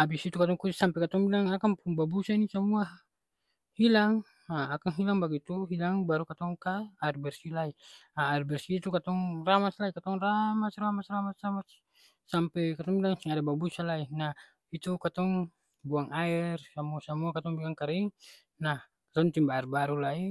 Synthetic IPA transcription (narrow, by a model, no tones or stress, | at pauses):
abisit̪ukat̪ɔŋkusampɛkat̪ɔŋbilaŋakaŋpuŋbabusainisamua | hilaŋ | aakaŋɦilaŋbaɡit̪uɦilaŋbaɾukat̪ɔŋkaaɛrbɛrsilaiaaɛrbɛrsiːt̪ukat̪ɔŋramaslaikat̪ɔŋramasramasramasramas | sampɛkat̪ɔŋbilaŋsiŋadababusalaina | it̪ukat̪ɔŋ | buaŋaɛrsamuasamuakat̪ɔŋbilaŋkaɾiŋ | nah | kat̪ɔŋt̪imbaɛrbaɾulai